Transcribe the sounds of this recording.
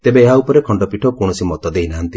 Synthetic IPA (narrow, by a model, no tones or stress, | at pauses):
t̪ebeːɦaupɔɾekʰɔɳɖɔpiʈʰɔkɔɽ̃ɔsimɔt̪ɔd̪einaɦant̪i